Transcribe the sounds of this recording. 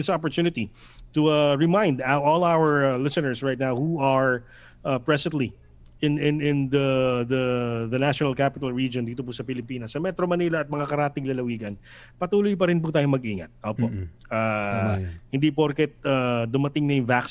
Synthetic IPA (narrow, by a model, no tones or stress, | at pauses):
ɪsp̬ɔɹt̪juːnɪt̪i | t̪ʊaɹɛmãj̃nd̪aʔolawəɹlɪsɨnɛɹsɹajt̪̚nawhuɐɹ | ʔapɹɛsɛnt̪li | ʔɪnɪnɪ̃nd̪ɐðɐd̪ɐnaʃonɐlkapɪt̪ɐlɹid͡ʒond̪iːt̪op̬usɐpɪlɪpiːnɐsːɐmɛt̪ɾomɐniːlɐːt̪̚mɐŋakɐɾaːt̪ɪŋlɐlɐwiːɡɐn | pɐt̪uːlʊjpɐɾɪnp̬ut̪aːjoŋmɐɡʔiːŋɐ̰t̪̚ʔoːpoʔ | aː | hɪnd̪ipoɾkɛt̪̚ad̪ʊmɐt̪ɪŋnɐjʊŋvaks